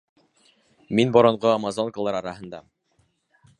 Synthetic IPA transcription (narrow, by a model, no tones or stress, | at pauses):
minbŏɾŏɴʁoɑmazoŋkəlˠɑɾɑɾɑɦɤ̆nd̪ɑ̰